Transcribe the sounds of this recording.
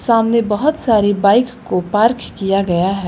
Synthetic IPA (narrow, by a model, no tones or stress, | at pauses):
saːmnebəɦʊt̪saːɾibaɪkkopaːɾkʰkijaɡɐjaɦɛ